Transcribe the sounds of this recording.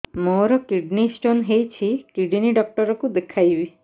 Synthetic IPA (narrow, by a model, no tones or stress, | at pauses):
moɾɔkiɖnisʈonɦejt͡ʃʰikiɖniɖɔk̚ʈɔɾɔkud̪ekʰajbi